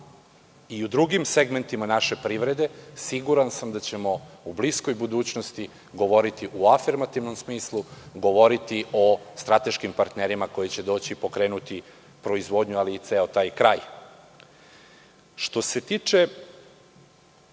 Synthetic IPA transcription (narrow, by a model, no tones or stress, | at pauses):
iud̪ɾuɡimseɡme̞nt̪imanaʃe̞pɾiːʋɾe̞d̪e̞siɡuɾansamd̪at͡ɕe̞mo̞ublisko̞jbud̪uːt͡ɕnost̪i | ɡo̞ʋo̞ɾit̪iʔuafiɾmat̪iʋno̞msmiːslˠuɡo̞ʋo̞ɾit̪iʔo̞st̪ɾat̪e̞ʃkimpaɾt̪ne̞ɾimako̞jet͡ɕe̞d̪o̞ːt͡ɕipo̞kɾe̞ːnut̪i | pɾo̞izʋo̞ːd̪ɲualiːt̪seo̞t̪aːjkɾaːj | ʃt̪o̞se̞t̪iːt͡ʂe̞